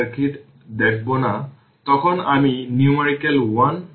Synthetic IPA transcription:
kʰit | dɛk̚ʰbɔna | tɔkʰɔnaminiumeɹikɛlwan

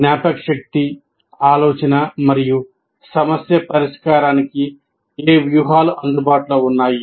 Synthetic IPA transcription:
njaːpɐkʂɐk̚t̪i | aːloːt͡ʃɐnɐmɐɾiju | sɐmɐsjɐpɐɾiʂkaːɾaːniki | eːʋjuɦaːluʔɐnd̪ubaːʈulo̞ːunːaːji

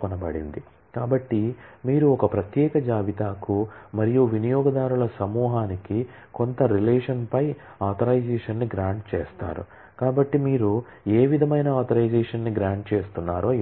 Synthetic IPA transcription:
kɐnɐbɐɽḭnd̪i | kaːbɐʈːimiːɾuɔkɐpɾɐt̪jɛːkɐd͡ʒaːʋit̪aːkumɐɾijuʋinijɔːɡɐd̪aːɾuɭɐsɐmuːɦaːniki | ko̞nt̪ɐɾileːʂɐnpɐj | aːt̪ʰɐɾɐjd͡ʒɛːʂɐnːiɡɾaːɳʈt͡ʃɛːst̪a̰ːɾṵ | kaːbɐʈːimiːɾu | e̞ːʋid̪ʱɐmɐjnɐaːt̪ʰɐɾɐjd͡ʒɛːʂɐnːiɡɾaːɳʈ̚t͡ʃeːst̪unːaːɾoː

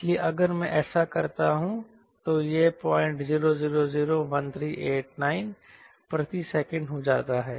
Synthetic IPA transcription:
ɪɪslieʔɐɡəɾmɛ̃ʔɛːsakɐɾt̪aɦũ | t̪ojepɔːɪ̃ɳʈziːɾoziːɾoziːɾoʋɐ̃nt̪ʰɾiːʔeːʈnaːɪn | pɾɐt̪isɛːkə̃ɳɖɦod͡ʒaːt̪aɦɛː

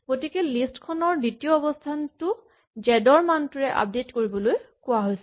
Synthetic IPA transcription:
ɡ̥otikɛlistkʰɔnɔɹditiɔːbɔstʰantʊ | d͡ʒɛdɔɹmantuɹɛʔa̰p̚detkoɹibɔlojkʊaɦojsɛ

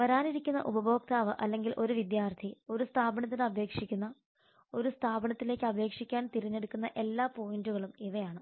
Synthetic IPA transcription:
ʋɐɾaːniɾikʲːunːɐ̰ʔubɐbʱo̞ːk̚t̪ʰaːʋɨʔɐlːe̞ŋɡilʔo̞ɾuʋid̪jaːrt̪ʰio̞ɾust̪ʰaːbɐɳɐt̪ːinɨɐbʱe̞ːkʂikʲːunːɐ | o̞ɾust̪ʰaːbɐɳɐt̪ːile̞ːkːɨɐbʱe̞ːkʂikʲːaːnt̪iriɲːe̞ɽukːunːɐʔe̞lːaːpo̞ːjinduɣɐɭumiʋɐjaːɳɨ

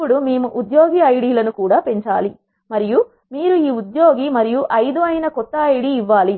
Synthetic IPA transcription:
uɽumeːmuʔud̪joːɡiɐjɽiːlɐnukuːɽaːpe̞ɲt͡ʃa̰ːli | mɐɾiju | miːɾuiːud̪joːɡimɐɾijuʔɐjd̪uɐjnɐkɔt̪ːɐɐjɽiːiʋːaːli

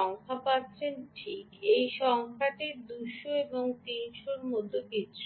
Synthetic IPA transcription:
ɔŋkʰapatːt͡ɕʰenʈʰikejʃɔŋkʰaʈid̪uʃoeboŋt̪inʃoɾmod̪ʱːokit͡ɕʰu̥

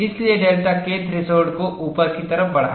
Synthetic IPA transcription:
ɪslieɖeːlʈaket̪ɾɪsoːɾɖkoʔuːpəɾkit̪ɐɾəfbɐɽ̤a

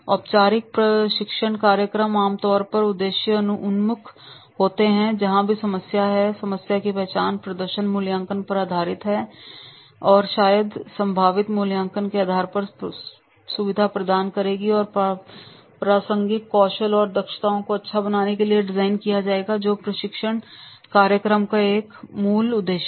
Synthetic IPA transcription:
ɔːpt͡ʃaːɾɪk̚pɾɐʃɪkʃəɳ̃kaːɾjəkɾəmaːmt̪ɔːɾpɐɾʊd̪ːeːʃjəʊnmʊkʰ | ɦoːt̪eɦɛ̃d͡ʒɐɦãbʱisɐməsjaɦɛsɐməsjakipɛɦt͡ʃaːnpɾɐd̪əɾʃənmʊːljãːŋkənpɐɾaːd̪ʱaːɾɪt̪ɦɛ | ɔːɾʃaːjəd̪sɐ̃mbʱaːʋɪt̪muːljãːŋkənkeaːd̪ʱaːɾpɐɾ | sʊʋɪd̪ʱapɾɐd̪aːnkɐɾeːɡiɔːɾp | pɾaːsə̃ŋɡɪkɔːʃəlɔːɾd̪ɐkʃə̥t̪aːõkoɐtːʃʰabɐnaːnekelieɖɪzaːɪnkijad͡ʒaːeːɡad͡ʒoːpɾɐʃɪkʃəɳ̃kaːɾjəkɾəmkaeːkmuːlʊd̪ːeːʃ

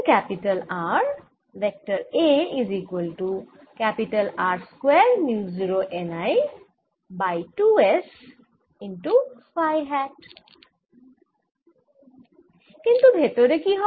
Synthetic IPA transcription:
kæpiʈɐlaːɾ | ʋek̚ʈəɾeizikwəlʈu | kæpiʈəlaːɾskwɛːɾnjuziɾoʔenaj | bajʈues | inʈufajɦɛʈ | kĩnt̪ubʱet̪oɾekiɦɔ

